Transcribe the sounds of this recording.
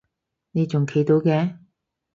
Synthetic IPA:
ne˨˧jt͡sʊ˨ŋkʰe˨˧˥jt̪o˨˧wkɛː˨˧˥

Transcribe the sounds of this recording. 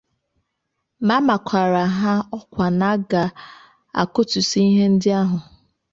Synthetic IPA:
ma˦ma˨kʷʰa˨ɾa˨ɦa˦ɔ˦kʷa˨na˦ɡa˨ | a̰˨kʊ˦tʊ˨si˦i˦ɦe˦n̩˦dɪ˦a˦ɦʊ˨

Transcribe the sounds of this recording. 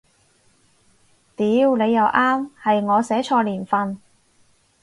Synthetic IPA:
t̪iː˨˧˥wle˨˧jːɐ˨˧wʔaː˥mhɐ˨jŋɔː˨˧sɛː˨˥t͡ʃʰɔː˧liː˨˩nfɐ˨n

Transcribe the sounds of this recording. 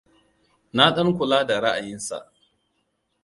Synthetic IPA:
na˦ɗɐ˦ŋkʷʊ˨laː˦da˨ɾa˦ʔa˨jɪ˦nsa̰˨ʔ

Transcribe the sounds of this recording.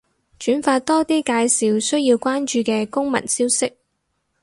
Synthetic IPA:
t͡ʃyː˨˥nfaː˧t̚t̪ɔː˥t̪iː˥kaː˧jsiː˨˧wsɵ˥ɥjiː˧wkʷaː˥nt͡ʃyː˧kɛː˧kʊ˥ŋmɐ̰˨˩nsiː˥wsɪ˥k̚

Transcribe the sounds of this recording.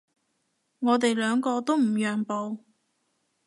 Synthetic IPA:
ŋɔː˨˧t̪e˨jlœː˨˧ŋkɔː˧t̪o˥wm̩˨˩jœː˨ŋpo˨˧w

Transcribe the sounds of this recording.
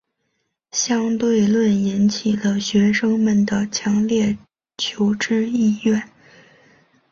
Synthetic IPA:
ɕjɑ˥ŋt̪we˥˧ɪlwə˥˩ni˧˥nt͡ɕʰi˨˩lə˦ɕɥɛ˧˥ʂɤ˥ŋmə˨˩nd̪ə˩t͡ɕʰjɑ˧˥ŋljɛ˥˩ | t͡ɕʰjo˧˥ʊʈ͡ʂɻ̩˥i˥˧jɛ˥˩n

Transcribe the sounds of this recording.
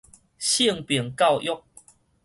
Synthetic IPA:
ɕi˥˨ŋpjɛ˨˩ŋka˥˨wʔjɔ˦k̚

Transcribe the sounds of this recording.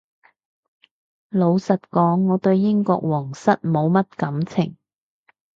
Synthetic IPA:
lo˨˧wsɐ˨t̚kɔː˨˥ŋːɔː˨˧t̪ɵ˧ɥjɪ˥ŋkɔ̰ː˧k̚wɔː˨˩ŋsɐ˥t̚mo˨˧wmɐ˥t̚kɐ˨˧˥mt͡sʰɪ̰˨˩ŋ

